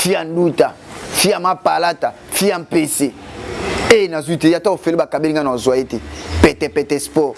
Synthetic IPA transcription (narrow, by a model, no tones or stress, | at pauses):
fian̩dutafiamapalata | fiam̩pese | eenazwiteataofelebakabeliŋɡanazwaetepɛtɛpɛtɛspɔ